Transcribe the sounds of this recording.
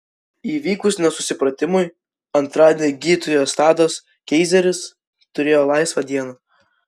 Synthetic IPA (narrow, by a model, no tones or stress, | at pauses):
iːʋʲiːkʊsnʲɛsʊsʲɪpɾɐt̪ʲɪmʊj | ɐnt̪ɾɑːd̪ʲenʲɪɡʲiːt̪ʊjoːst̪ɑːd̪oːs | kʲɛɪzʲɛɾʲɪs | t̪ʊɾʲeːjoːlˠɑɪsʋɐd̪ʲiɛnɐ